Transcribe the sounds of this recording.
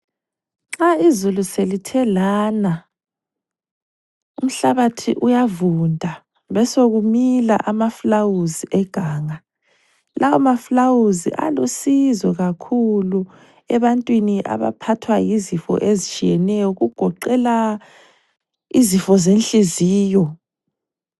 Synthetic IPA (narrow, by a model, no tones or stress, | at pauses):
ŋ͡ǁaizuluselitʰɛlaːna | um̩ɬaβatʰiʔujavundʱa | βɛsoɣumila̰ʔamaflawuziʔɛɡ̥ʱaːŋa | lʔawamaflawuzḭʔa̰losizɔɣakʰulu | ɛβantʼwiniʔa̰βa̰pʰatʰwajizifɔ̰ʔezit͡ʃʼijɛnɛjɔɣuɡ̥ʱɔǃɛla | izifɔzenɬʼiziːjɔ